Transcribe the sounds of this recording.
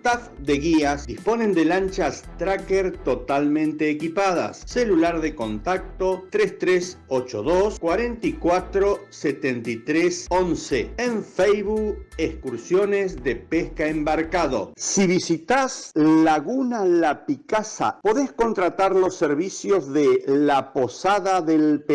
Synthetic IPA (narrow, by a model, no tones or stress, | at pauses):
st̪afd̪eɣiasd̪ispo̞ne̞nd̪elant͡ʃast̪ɾakeɾt̪ot̪almẽnt̪eːkipaða̰sːelulaɾðeko̞nt̪ak̚tt̪ot̪ɾest̪ɾesot͡ʃo̞̰ðoskwaɾe̞nt̪ikwat̪ɾoset̪ent̪it̪ɾesonseeɱfejβueskuɾsjo̞nezðepeskaembaɾkaðo̞̰siβisit̪aslaɣunalapikasa̰po̞ðesko̞nt̪ɾat̪aɾlo̞sːeɾβisjo̞zðelapo̞saðaðelpe